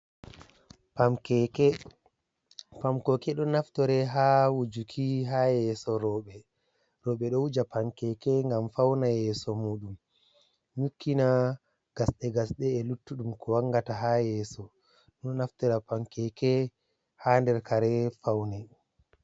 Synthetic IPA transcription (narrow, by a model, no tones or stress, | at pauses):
pamkɛkɛ | pamkɔkɛɗɔnaftɔɾɛɦawud͡ʒukʰiɦajɛsɔɾɔɓɛ | ɾɔːɓɛɗɔwud͡ʒapaŋkɛkɛŋɡamfawnajɛsɔmuːɗum | ɲukʰːina | ɡ̥asɗɛɡasɗɛːlutːuɗumkʰɔwaŋɡataɦajɛːsɔ | ɗɔnaftɛɾapamkɛkɛ | handɛɾkaɾɛfawna